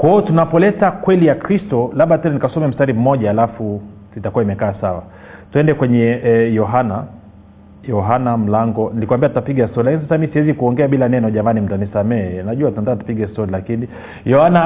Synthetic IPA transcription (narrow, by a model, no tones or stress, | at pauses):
kwaɔtunapɔlɛtakwɛlijakɾistɔlaɓatɛnanikasɔmɛm̩staɾim̩mɔʄaːlafu | itakuwaimɛkaːsawa̰ | tuɛndɛkwɛɲɛjɔɦana | jɔɦanam̩laŋɡɔnilikuwambiatutapiɠastɔɾlilakinis̬asamisiwɛzikuɔŋɡɛaɓilanɛnɔʄamanim̩tanisamɛɛnaʄuwatunandatu̥piɡɛstɔɾilakini | jɔhana